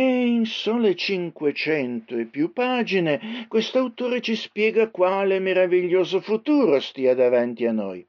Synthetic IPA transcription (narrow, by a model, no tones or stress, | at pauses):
einsoːlet͡ʃiŋkwet͡ʃɛnt̪oepːjupaːd͡ʒinekwest̪awt̪oːɾet͡ʃispjɛːɡakwaːlemeɾaviʎːoːzofut̪uːɾost̪iːad̪avant̪ianɔ̰j